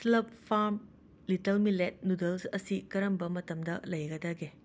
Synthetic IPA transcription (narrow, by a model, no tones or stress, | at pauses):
slɐp̚pʰaɾm | litɐlmilet̚nudɐlsɐsikɐɾɐmbɐmɐtɐmdɐ̰lɐjɡɐdaɡe